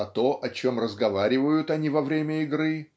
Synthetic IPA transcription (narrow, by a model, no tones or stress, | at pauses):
ɐt̪o̞ʔɐt͡ɕomrəzɡɐvaɾʲɪvəjʊt̪ɐnʲivɐvɾʲemʲəɪɡɾɨ